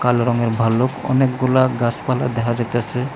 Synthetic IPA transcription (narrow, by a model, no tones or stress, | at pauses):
kalɾɔŋeɾbʱalːokɔ̰nekɡulaɡaspalad̪ɛkʰad͡ʒat̪easʰe